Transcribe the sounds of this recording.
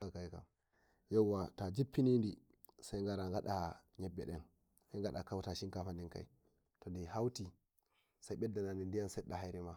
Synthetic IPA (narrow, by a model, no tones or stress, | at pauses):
akajka̰m | jɛwːatad͡ʒipːinindi | sajŋɡaɾaŋɡaɗaɲɛbːɛ̰ɗɛn | sajŋɡaɗakawtaʃiŋkafandinka̰j | tɔndihawti | sajɓɛdːananindijansɛɗːahajɾɛma